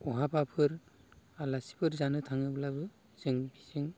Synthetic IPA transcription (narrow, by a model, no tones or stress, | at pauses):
ɔɦabapʰɯɾ | alasi̥pʰɯɾzanɯtʰaŋɯblabɯ | z̥ɯŋbisɯŋ